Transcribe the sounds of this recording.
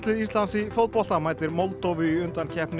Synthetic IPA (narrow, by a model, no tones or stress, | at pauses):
t̪ɪðist̪lansifowt̪pɔl̥t̪amaːjt̪ɪɾmowlt̪oːwvʏiʏnt̪ancʰɛhpnɪ